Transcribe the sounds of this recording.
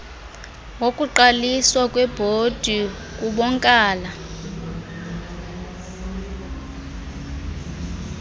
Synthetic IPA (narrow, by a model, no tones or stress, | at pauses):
wokʼuǃaliswakʼwɛb̥ʱod̥ʱi | k̬ʼuɓɔŋkʼaːla